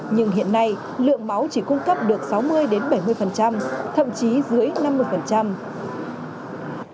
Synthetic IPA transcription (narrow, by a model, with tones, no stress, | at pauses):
ɲɨ˧ŋɦḭ˧˨ənːa˧j | lɨ̰˧˨əŋma˨˦wt͡ɕi˧˩kʊ˧ŋ͡mkə˦˥p̚ɗɨ˨˩ək̚sa˨˦wmɨ˧əjɗe˨˦nɓə˧˩jmɨ˧əjfə˨˩nt͡ɕa˧mt̪ʰə̰˧˨mt͡ɕi˨˦zɨ˨˦əjna˧mːɨ˧əjfə˨˩nt͡ɕa˧m